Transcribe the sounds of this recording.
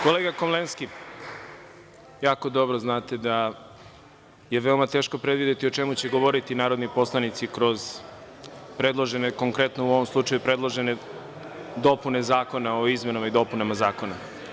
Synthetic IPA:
ko̞leːɡakomlˠenski | jaːko̞d̪o̞bɾoznaːt̪e̞d̪a | je̞ʋe̞omat̪e̞ːʃko̞pɾe̞d̪ʋid̪et̪io̞t͡ʃe̞mut͡ɕe̞ɡo̞ʋo̞ɾit̪inaːɾo̞d̪nipo̞slˠanit̪sikɾo̞z | pɾe̞d̪lˠo̞ʒe̞neko̞ŋkɾe̞t̪nouo̞ʋomslˠut͡ʃɐjupɾe̞d̪lˠo̞ʒe̞ne | d̪o̞pune̞zaːko̞nao̞izme̞namaid̪o̞punamazaːko̞na

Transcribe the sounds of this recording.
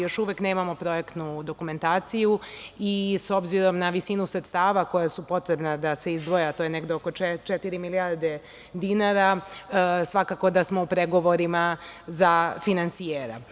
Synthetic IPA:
jo̞ʃuʋekne̞ːmamo̞pɾo̞je̞kt̪nud̪o̞kume̞nt̪aːt̪sijuiso̞bziɾo̞mnaʋisinusɾet̪st̪aːʋako̞jasupo̞t̪ɾe̞bnad̪ase̞izd̪ʋo̞jeat̪ojeneɡd̪eoko̞t͡ʃet̪iɾimiliaɾd̪e̞ | d̪inaɾa | sʋakaːko̞d̪asmo̞upɾeɡo̞ʋo̞ɾimazafinansijeːɾa̰

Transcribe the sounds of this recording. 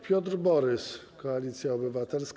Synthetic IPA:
pʲjɔt̪ɾbɔɾɘs | kɔalʲit̪sʲjaɔbɘvat̪ɛlsk

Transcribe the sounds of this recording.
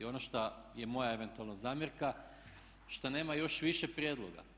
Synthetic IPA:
o̞noʃt̪aje̞mo̞jaeʋe̞nt̪ualˠnozaːmjeɾka | ʃt̪ane̞ːmajo̞ʃʋiʃepɾjeːd̪lˠoɡa̰

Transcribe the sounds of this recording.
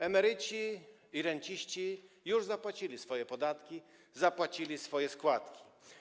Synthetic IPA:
ɛmɛɾɘt͡ɕi | iɾɛɲt͡ɕiɕt͡ɕi | juʐzapwat͡ɕilʲisfɔjɛpɔd̪at̪kʲi | zapwat͡ɕilʲisfɔjɛskwat̪kʲi̥

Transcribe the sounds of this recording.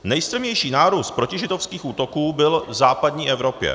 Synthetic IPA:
nɛjst̪ɾɛmɲɛjʃiːnaːɾuːst̪̚pɾo̞cɪʒɪdofskiːxʔuːt̪o̞kuːbɪlvzaːpadɲiːʔɛvɾo̞pjɛ̰

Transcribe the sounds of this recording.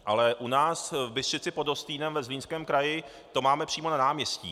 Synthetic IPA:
ʔalɛʔunaːsvbɪst̪rɪt͡sɪpodost̪iːnɛmvɛzliːnskɛːmkɾajɪ | t̪o̞maːmɛpr̥iːmo̞nanaːmɲɛscḭː

